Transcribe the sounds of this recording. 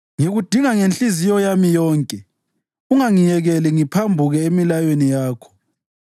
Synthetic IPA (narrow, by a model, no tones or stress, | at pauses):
ŋiɣud̥ʱiŋaŋent͡ɬʼizijɔjamijɔːŋkʼɛ | uŋaŋijɛɣɛlɛŋipʰambʱuɣɛemilajwenijaːkʰɔ̥